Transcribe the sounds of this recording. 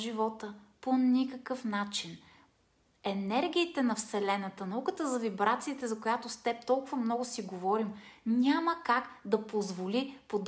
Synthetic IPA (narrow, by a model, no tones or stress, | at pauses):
ʒivɔt̪əponʲikəkɤfnat͡ʃin | ɛnɛɾɡʲiːt̪ɛnɐfsɛlɛnət̪ənɐukət̪əzɐvibɾat̪siːt̪ɛzɐkʊjat̪ost̪ɛp̚t̪ɔlˠkʊvəmnɔɡʊsiɡovɔɾimnʲaməkakd̪ɐpozvolipod̪